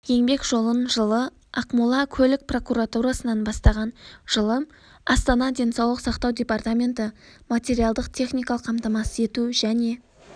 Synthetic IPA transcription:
je̞ŋbe̞kʒo̞lˠənʒəlˠə | ɑqmulˠɑkʲʰɵlɪk̚pro̞kuɾat̪uɾasənɑnbɑst̪ɑʁɑnʒ̥əlˠəm | ɑst̪ɑnɑd̪ʲe̞nsɑwlˠəqsɑqt̪ɑwd̪ʲe̞part̪amʲe̞nt̪ɪ | mat̪ʲe̞ɾialˠd̪əqt̪ʲʰe̞χnʲijkɑləqːʰɑmt̪ɑmɑsəe̞t̪uʒæne̞

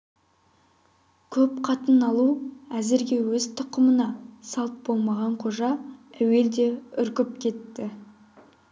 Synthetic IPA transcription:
kʲʰɵpqʰɑt̪ənɑlˠuæzɪɾɡʲe̞wɵzt̪ʰʊqəmənɑsɑlˠt̪̚bo̞lˠmɑʁɑɴqʰo̞ʒɑæwe̞ld̪e̞ʏɾkʲɪp̚kʲʰe̞t̪ːɪ

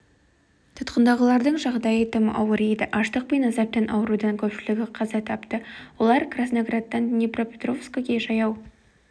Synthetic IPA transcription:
t̪ʰʊt̪qənd̪ɑʁəlˠɑɾd̪əɴʒɑʁd̪ɑjət̪ʰəməʔɑwəɾejd̪ɪʔɑʃt̪əq̚penɑzɑp̚t̪ːɑnʔɑwəɾud̪ɑŋkʲʰɵpʃɪlɪɡʲɪqʰɑzɑt̪ʰɑpt̪əwo̞lˠɑɾkrasnoɡrat̪ːɑnnʲipro̞pʲe̞t̪ro̞fskoɡʲkʲe̞ʒɑjɑw

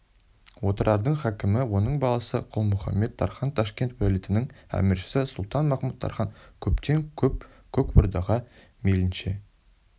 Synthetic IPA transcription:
wo̞t̪əɾʔɑɾd̪əɴχækʲɪmɪwo̞nəɴbɑlˠɑsəqʰʊlˠmʊχɑ̰mːe̞t̪ʰːɑ̰ɾχɑnt̪ʰɑʃkʲe̞nt̪wælit̪ɪnɪŋæ̰mɪɾʃɪ̥sɪsʊlˠt̪ɑnmɑχmut̪ːʰɑ̰ɾχɑnkʲʰɵpt̪ʰe̞ŋkʲʰɵp̚ | kʲʰɵkbʊɾd̪ɑʁɑ | melɪnʃe̞

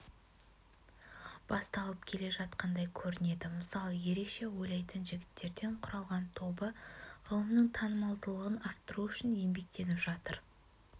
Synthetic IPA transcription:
b̥ɑst̪ɑlˠəpkʲʰe̞le̞ʒɑt̪̚qɑnd̪ɑjkʲʰɵɾɪne̞d̪ɪməsɑlˠəje̞ɾe̞kʃe̞wojlɑjt̪ənʒɪɡʲɪ̥t̪ːe̞ɾd̪e̞ɴqʰʊɾɑlˠʁɑnt̪ʰo̞bəʁəlˠəmnəɴt̪ʰɑnəmɑlˠd̪əlˠəʁənɑɾt̪ːəɾuʏʃɪnje̞mbe̞k̚t̪ʰe̞nɪpʒ̥ɑt̪əɾ

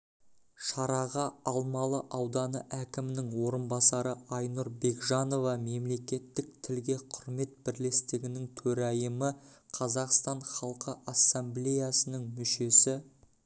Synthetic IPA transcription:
ʃɑɾɑʁɑɑlˠmɑlˠəʔɑwd̪ɑnəʔækʲɪmɪnɪŋwo̞ɾənbɑsɑɾəɑjnuɾbe̞ɡʒɑno̞vɑme̞mle̞kʲe̞t̪ːɪk̚t̪ʰɪlɡʲe̞qʰʊɾme̞t̪̚bɪɾle̞st̪ɪɡʲɪnɪŋt̪ʰɵɾæjəməqʰɑzɑqst̪ɑɴχɑlˠqəʔɑsːemblʲejasənəŋmʏʃe̞sɪ

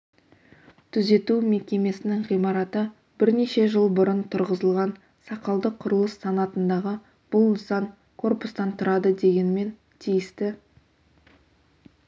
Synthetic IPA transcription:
t̪ʰʏze̞t̪ume̞kʲe̞me̞sɪnɪŋʁijmɑɾɑt̪ə | b̥ɪɾne̞ʃe̞ʒəlˠbʊɾənt̪ʰʊɾʁəzəlˠʁɑn | sɑqɑlˠd̪əqʰːʊɾəlˠəsːɑnɑt̪ənd̪ɑʁə | b̥ʊlˠnəsɑŋ | kʰo̞rpʊst̪ɑnt̪ʰʊɾɑd̪əd̪e̞ɡʲe̞nme̞n | t̪ʰijɪst̪ɪ

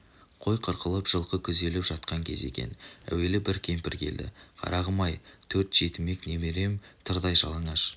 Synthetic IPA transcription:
qʰo̞jqʰəɾqʰəlˠəpʒ̥əlˠqəkʲʰʏzd̪e̞lɪpʒ̥ɑt̪̚qɑŋkʲʰe̞̰ze̞̰kʲe̞̰næ̰we̞lɪbɪɾkʲʰe̞mpɪɾkʲʰe̞̰ld̪ɪ̰qʰɑ̰ɾʔɑʁəmɑjt̪ʰɵɾt̪ʒ̥e̞t̪ɪme̞kne̞meɾe̞mt̪ʰəɾd̪ɑjʒɑlˠəɴɑʃ

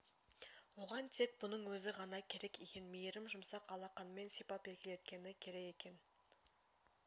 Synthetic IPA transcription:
wo̞ʁɑnt̪ʰe̞k̚bʊnəɴwɵzɪʁɑnɑkʲʰe̞ɾe̞kʲikʲe̞nmejeɾɪmʒʊmsɑqɑlˠɑqɑnme̞nsipɑpe̞lkʲɪle̞t̪̚kʲe̞nɪkʲʰe̞ɾe̞ke̞kʲe̞n

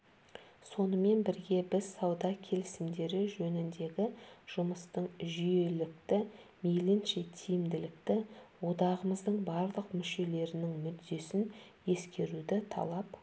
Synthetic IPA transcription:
so̞nəme̞nbɪɾɡʲe̞bɪzsɑwd̪ɑkʲʰe̞lɪsɪmd̪e̞ɾɪʒɵnɪnd̪e̞ɡʲɪʒ̥ʊməst̪əɴʒʏje̞lɪk̚t̪ɪmelɪnʃe̞t̪ʰijɪmd̪ɪlɪkt̪ɪwo̞d̪ɑʁəməzd̪əɴbɑɾlˠəqmʏʃe̞le̞ɾɪnɪŋmʏd̪ːe̞sɪne̞skʲe̞ɾud̪ɪt̪ʰɑ̰lˠɑp

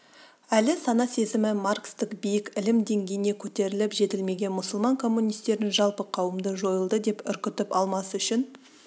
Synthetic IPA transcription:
ælɪsɑnɑse̞zɪmɪmarkst̪ɪqbijɪkɪlɪmd̪e̞ŋɡʲe̞jɪne̞kʲʰɵt̪e̞ɾɪlɪpʒe̞t̪ɪlme̞ɡʲe̞nmʊsəlˠmɑŋkʰo̞mːunijst̪e̞ɾnɪnʒɑlˠpəqʰɑwəmd̪əʒo̞jəlˠd̪əd̪e̞pʏ̰ɾkʲɪt̪ɪpɑlˠmɑsəʏʃɪn

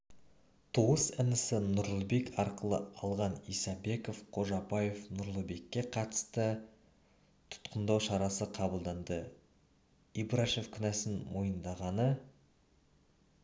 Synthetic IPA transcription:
t̪ʰuʁəsɪnɪsɪnʊɾlˠəbe̞kʲɑɾqəlˠə̰ɑlˠʁɑnijsɑbe̞ko̞fqʰo̞ʒɑbɑje̞fnʊɾlˠəbe̞kʲːe̞qʰɑt̪ə̥st̪ə | t̪ʰʊ̥t̪qənd̪ɑwʃɑɾɑsəqʰɑbəlˠd̪ɑnd̪ə | ibɾaʃe̞fkʲʰʏnæsɪnmo̞jənd̪ɑʁɑnə

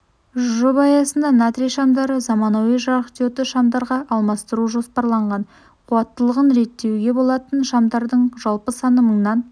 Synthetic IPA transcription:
ʒobɑjɑsənd̪ɑnat̪ɾijʃɑmd̪ɑɾəzɑmɑnɑwəʒɑɾəqt̪ot̪ɪʃɑmd̪ɑɾʁɑʔɑlˠmɑst̪əɾuʒo̞spɑɾlˠɑɴʁɑn | qʰuɑt̪ːəlˠəʁənɾe̞t̪ːe̞wɡʲe̞bolˠɑt̪ənʃɑmd̪ɑɾd̪əɴʒɑlˠpəsɑnəməɴnɑn

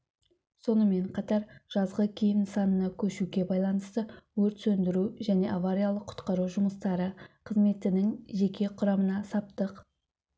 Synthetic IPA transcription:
so̞nəme̞ɴqʰɑt̪ɑɾʒ̥ɑzʁəkʲʰejɪnsɑnənɑkʲʰɵʃuɡʲe̞bɑjlˠɑnəst̪əwɵɾt̪sɵnd̪ɪɾuʒæne̞ʔavaɾʲijalˠəqʰːʊ̥t̪qɑɾuʒʊməst̪ɑɾəqʰəzme̞t̪ɪnɪŋʒe̞kʲe̞qʰʊɾɑmənɑsɑp̚t̪əq

